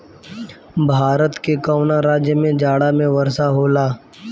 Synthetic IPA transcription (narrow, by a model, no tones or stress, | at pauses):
bʱaːɾət̪kekaʊnaɾaːd͡ʒjəmẽd͡ʒaːɽamẽʋəɾsaɦoːlaː